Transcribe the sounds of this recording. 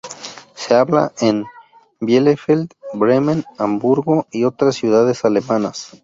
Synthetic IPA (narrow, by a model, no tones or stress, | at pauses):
se̞aβla̰ʔen | bjelefeld̪bɾemenambuɾɣo̞io̞t̪ɾasːjuð̞að̞e̞sale̞mãnas